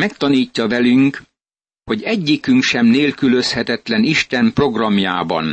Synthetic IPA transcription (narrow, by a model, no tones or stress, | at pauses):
mɛkt̪ɒniːcːɒvɛlyŋk | ho̞ɟɛɟːikyŋkʃɛmneːlkyløshɛt̪ɛt̪lɛniʃt̪ɛmpro̞ɡrɒmja̰ːbɒ̰n